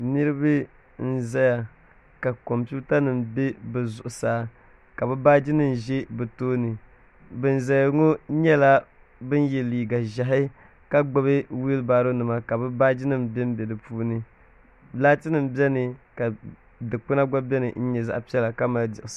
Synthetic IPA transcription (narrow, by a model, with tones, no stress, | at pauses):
ni˦ɾɨ˦bɨ˦ | n̩˦za˦ja˨ | ka˨ko˨mpi˦ta˦nɨ˨mbe˦bɛ˨zʊ˨ʔʊ˨saː˦ | ka˨bɨ˦baː˦d͡ʒi˦nɨ˦m˨ʒe˦bɛ˨toː˦nɨ˨ | bɨ˨n˨za˨jŋo˦ɲɛ˦la˦ | bɨ˦n˦jɛ˨liː˨ɡa˨ʒa˨ɦɪ˦ | ka˦ɡ͡bo˦βe˦wi˦lbaː˦ɾo˦nɨ˨ma˨ka˨bɨ˦baː˦d͡ʒi˦nɨ˦mbɛ˦m˦bɛ˨dɨ˨puː˦nɨ˦ | laː˦tɨ˦nɨ˨mbɛ˦nɨ˨ka˨ | dɨ˨k͡pɨ˦na˦ɡa˦bʲɛ˦nɨ˨n̩˦ɲɛ˨za̰˦ʔpi˦ɛ˦la˨ka˦ma˨ldɪ˨ʔ